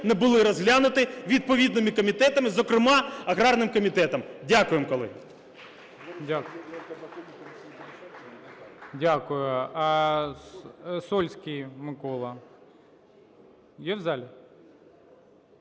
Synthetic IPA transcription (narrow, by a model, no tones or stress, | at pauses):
nɛbʊlˠɪɾɔzɦlʲanʊt̪ɪʋʲid̪̚pɔʋʲid̪nɪmɪkɔmʲit̪ɛt̪ɐmɪzɔkɾɪmɑɐɣɾɑrnɪmkɔmʲit̪ɛt̪ɐmdʲakʊjemkɔlˠɪ̰ | dʲaɐ | dʲakʊjʊɐ | sɔlʲsʲkʲijmɪkɔlˠɐ | jɛwzalʲɪ